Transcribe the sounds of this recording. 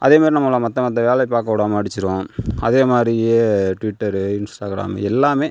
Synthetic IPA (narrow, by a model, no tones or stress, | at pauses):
ʔɐ̰ðeːmaːd̪ɾinɐmːɐlãːmɐt̪ːɐ̃mɐt̪̬ːɐ̃ʋeːlɐɪpaːɾkɐpːɐɽaːmːɽɪt͡ʃːɪɾõːɐðeːmaːd̪ɾieʈʋiʈːɐɾɯɪnsʈaːɣɾa̰ːm̰ɛlːaːmeː